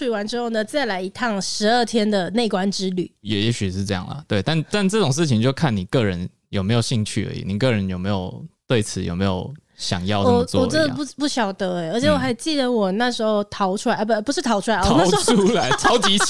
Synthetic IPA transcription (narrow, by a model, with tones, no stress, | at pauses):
i˥˩wa˧˦˥nʈ͡ʂɻ̩˥xo˥˧ʊnə˨t͡sa˥˩ɪla˧˥ɪi˧˥t̪ʰɑ˥˩ŋʂɻ̩˧˥ə˥˩t̪ʰjɛ˥nd̪ə˨ne˥˩ɪkwa˦˥nʈ͡ʂɻ̩˥ly˨˩jɛ˨˩jɛ˧˦˥ɕy˨˩ʂɻ̩˥˧ʈ͡ʂɤ˥˧jɑ̰˥˩ŋlə̰˩t̪we˥˩ɪt̪a˥˨nt̪a˥˧nʈ͡ʂɤ˥˩ʈ͡ʂʊ˨˩ŋʂ̬ɻ̩˥˩t͡ɕʰi˧˦ŋt͡ɕjo˥˧ʊkʰa˥˩nni˨˩kɤ˥˩ɻə˧˦n | jo˨˩ʊme˧˥ɪjo˨˩ʊɕi˥˧ŋt͡ɕʰy˥˩ə̰˦˥ḭ˨˩ni˨˩kɤ˥˩ɻə˧˦njo˨˩ʊme˧˥ɪjo˨˩ʊt̪we˥˩ɪt͡sʰɹ̩˨˦jo˨ʊme˧˥ɪjo̰˨˩ʊɕjɑ̰˨˩ŋjɑ̰˥˧ʊ˨˩t͡swwɔ˨˩ʈ͡ʂɛ˧˥d̪ə̰˧pu˥˩pu˥˩ɕjɑ˨˩ʊd̪ə˧˦e˨˩ə˧˥t͡ɕʰjɛ˨˥wɔ˨˩xa˧˥ɪt͡ɕi˥˩d̪ə˨˩wɔ˨˩na˥˩ʂɻ̩˧˥xo˥˧ʊt̪ʰɑ˧˥ʊʈ͡ʂʰu˥la˧˥˧pu˧ʂɻ̩˥˩t̪ʰɑ˧˥ʊu˥la˧˦ɪ˥˧n˥˩˥u˥la˧˦ɪt͡sʰɑ˧˦˥ʊt͡ɕi˧˥